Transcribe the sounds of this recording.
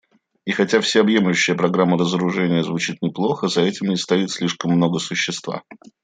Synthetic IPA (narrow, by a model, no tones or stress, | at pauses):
ixɐtʲafsʲaɐbje̞mlʲʉɕːɪjəpɾɐɡɾamːəɾəzəɾʊʐɛnʲɪjəzvʊt͡ɕit̪nʲɪplˠo̞xəzɐɛtʲɪmnʲɪst̪ɐit̪sʲlʲiʂkəmːno̞ɡəsʊɕːɪst̪va̰